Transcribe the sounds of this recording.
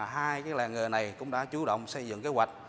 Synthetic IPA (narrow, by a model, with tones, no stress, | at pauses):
ɦaː˧jkaː˨˦jlaː˨˩ŋɨ˨˩na˨˩jkʊ̰˧˥ŋ͡mɗa̰ː˧˥t͡ɕu˨˦ɗə̰˧˨wŋ͡msə˧jzɨ̰˧˨ŋke˨˦wa˨˩k̚